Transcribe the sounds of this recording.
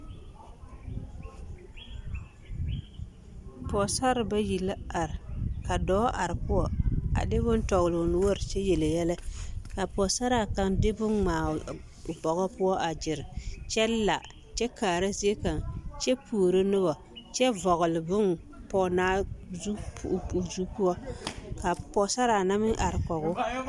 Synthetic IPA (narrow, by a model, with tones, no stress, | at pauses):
pɔ˨sa˦ɾba˦ji˨la˦a˨ɾka˨dɔː˦ʔa˨ɾpʊ˦wɔ˨a̰˨dɪ˦bʊ˦ntɔ˨ɣlʊ˨n˦wo˦ɾt͡ʃɛ˦je˨le˨jɛ˦la˦ka˨pɔ˨sa˦ɾa˨ka˨ŋdɪ˦bʊ˦nmaː˨ | bɔ˨ɣɔ˦pʊ˦wɔ˦ʔa˨d͡ʒɪ˨ɾt͡ʃɛ˦la̰˨ | t͡ʃɛ˦kaː˨ɾa˦ze˦ka˨ŋt͡ʃɛ˦pʰu˨o˨ɾo˦nʊ˦ɣɔ˨ | t͡ʃɛ˦vɔ˨ɣʊ˨lɪ˨bʊ˦n | pɔ˨naː˦zu˦˨u˨zu˦pʊ˦wɔ˦ka˨pɔ˨sa˦ɾa˨na˦mɪ˦ʔa˨ɾkɔ˨ɣʊ˦